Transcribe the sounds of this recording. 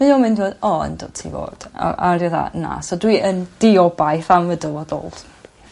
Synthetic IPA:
majoːmɪ̃ndiwodɔə̰ndo̥tʰḭvo̰ːd̥a̰ʔariða̰na̰sɔdwiʔənd̥ɪɔbajθamvədɔlˠvodɔ̰lˠd̥

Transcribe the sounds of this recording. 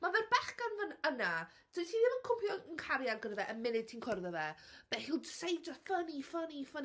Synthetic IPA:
mavɛðbaχɡanvənəna | d̥wɪsiðɪvɔkʰʊmpʰjɔənkʰaɾjaɡəɾəðɛʔəmɪnɪd̥̚tʰinkʰɔrðəðɛb̥ɛhilˠdsejdəfənifənifən

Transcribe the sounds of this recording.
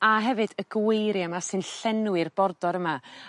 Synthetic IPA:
aɦɛvɨd̥əɡwejɾjamasɨnɬɛnwɨrbɔrdɔɾəma

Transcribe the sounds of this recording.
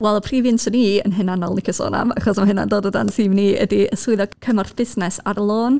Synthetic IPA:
wɛlˠəpʰriːvjɪntʰɔniːə̰nɦɪnanɔlˠnɪkʰəso̰ːna̰maχɔsmaɦɪna̰ndoːdəda̰nsiːmniːə̰diəsʊɨðɔkʰəmɔrθb̥ɪsnɛsarlˠoːn

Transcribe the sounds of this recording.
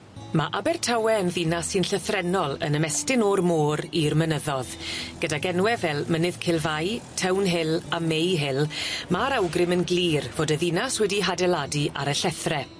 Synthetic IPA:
maʔabɛrtʰawɛənðinasɨnɬəθrɛnɔlˠə̰nəmɛstɪnoːrmoːɾirmənəðɔðɡ̥ədaɡɛnwɛvɛlˠmənɪð̥kʰɪlˠvajtʰɛwnɦɪlˠamejɦɪlˠmaɾawɡrɪmənɡliːrv̥oːdəðinaswɛdiɦadɛladiʔa̰ɾəɬɛθrɛ

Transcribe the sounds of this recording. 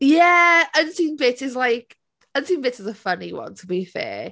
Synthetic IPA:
jæəntʰinbɪtʰɪzlˠajk | əntʰĩmbɪtɪzəfəniwʌ̰̃ntʰəbiθɛ̰ː

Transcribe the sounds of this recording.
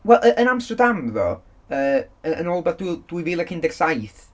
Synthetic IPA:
wɛlˠʔəʔənamstədamðɔ̰ | əːəənɔlˠbaθd̥d̥wijviːlˠəkʰɪndɛɡ̥sajθ

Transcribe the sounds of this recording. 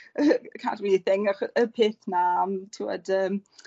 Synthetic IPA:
əkʰa̰dwiθɪŋɔχəpʰeːθnaːmtʰɪwɔ̰dəːm

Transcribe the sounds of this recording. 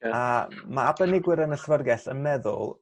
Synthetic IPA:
amaabənɪɡwɪɾənəɬvərɡɛɬənmɛðʊ̰lˠ

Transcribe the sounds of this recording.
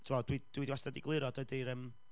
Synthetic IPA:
tʰumɔd̥wid̥wiːdiwastadiɡlˠɪɾɔdəɨdiɾəm

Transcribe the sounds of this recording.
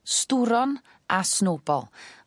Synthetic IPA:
stuɾɔn | ʔasnoːbɔ̰lˠ

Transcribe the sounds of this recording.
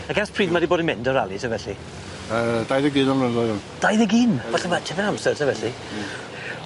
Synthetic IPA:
aɡaspʰriːdmadiboːdəmɛndɔɾalˠitʰəvɛɬi | əd̥ajðəɡiːnɔnlənlɔʊnd̥ajðəɡiːnvaɬamatʰɛvɛnamsɛrtʰəvɛɬi

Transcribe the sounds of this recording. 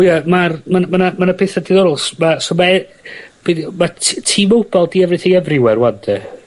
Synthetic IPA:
ujamarmanmanamanapʰeːθadiðɔɾʊlˠsmasomaɛb̥idmatʰiːmowbɔlˠdiɛvrɪθɪŋɛvrɪwɛrwadɛ

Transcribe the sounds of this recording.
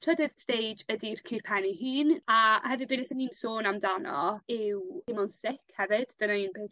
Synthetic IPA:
t͡ʃʰədɪðstejd͡ʒədirkʰɪrpʰɛniɦiːnahɛvɪbɪnɛθənimsoːnamdanɔ̰ɪwɪmɔnsɪkʰhɛvɪd̥d̥ənainbeθ

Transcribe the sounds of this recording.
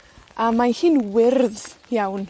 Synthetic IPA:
ʔamanhiːnwɪrðjawn

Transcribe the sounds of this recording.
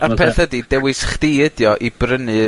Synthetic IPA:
apʰɛθədidɛwɪsχtiɪdjɔʔibrənɨ

